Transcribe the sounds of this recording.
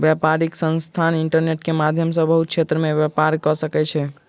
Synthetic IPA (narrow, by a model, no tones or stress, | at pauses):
bjɛpaɾiksə̃nst̪ʰaniɳʈəɾneʈkemad̪ʱjəmsə̃bəɦut̪̚kt͡ʃʰet̪ɾəmebjapaɾkɔsəkɛt͡ʃʰɛ